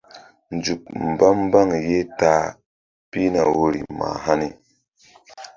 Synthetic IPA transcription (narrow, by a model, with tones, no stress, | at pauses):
nd͡ʒu˨k̚m̩˨ba˦m˦ba˦ŋje˦ta˦ | pi˦na˨wo˦ɾḭ˨ma̰˨ɦa˦ni˦